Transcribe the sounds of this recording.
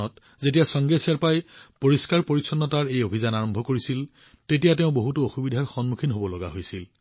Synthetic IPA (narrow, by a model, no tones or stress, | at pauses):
ɔt | zetijasɔŋɡesiaɹpajpoɹiskaɹpoɹisɔnːɔtaɹejobʱizanaɹɔmbʱɔkoɹisil | tetijateʊ̃boɦutuoxubidʱaɹxɔnmukʰinɦobɔlɔɡa̰ɦojsil